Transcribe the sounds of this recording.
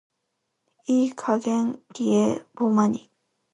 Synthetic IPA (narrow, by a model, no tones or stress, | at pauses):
ikʰaɡeŋkiebomaɲi